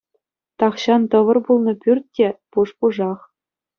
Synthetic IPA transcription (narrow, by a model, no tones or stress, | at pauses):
t̪ɑχɕɑnt̪ɤ̆ʋɤ̆rbulˠnɤ̆pʲyrʲt̚ʲtʲepuʂpuʐɑχ